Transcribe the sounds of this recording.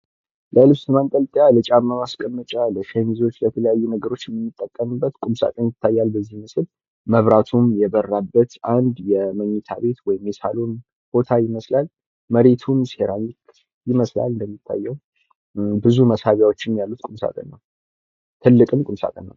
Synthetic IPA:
ləlɨβsɨmant̪ʼəlt̪ʼjalɨt͡ʃʼamːəmaskʼəmːət͡ʃʼaləʃenizo̞t͡ʃːlət̪ʰələjajːunəɡəɾo̞t͡ʃːjɛmːɨmːɨt̪ʼːəkʼːəmɨbːət̪kʼumsa̰k̪ʼənjɪt̪ʰːajːalbəzːihmɨsɨl | məβɾat̪ʰumjɛβərːabːət̪ʔand̪jɛməɲːɛt̪ʰa̰βe̞t̪wɔjɪmːesa̰lon | b̥o̞t̪ʰajɪməslal | məɾe̞t̪ʰumseɾaɲɪk | jɪməsla̰lɨnd̪əmːit̪ʰːa̰jːəw | bɨzuməshaβjawot͡ʃːɪnjalːut̪kʼumsa̰k̪ʼə̰nːə̰w | t̪ʰɨlːɨkʼɨmkʼunsa̰k̪ʼə̰nːə̰w

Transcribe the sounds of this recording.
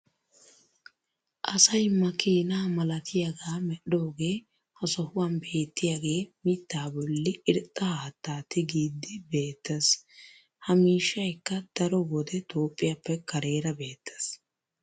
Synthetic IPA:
ʔɐsɐjmɐkiːnaːmɐlɐt̪ʰɪjɐɡaːmɛɗo̞ːɡe̞ː | hɐsɔhʊwɐnbe̞ːt̪ːɪjaɡe̞ːmɪt̪ːaːbɔlːɪɪɾt̪ʼːɐhaːt̪ːaːt̪ːɪɡiːd̪ːɪbe̞ːt̪ːɐs | hɐmiːʃːɐjkːɐd̪̥ɐɾɔbɔd̪ɛt̪o̞ːpʼːɪjapːɛkɐɾe̞ːɾɐbe̞ːt̪ːɐ̥s

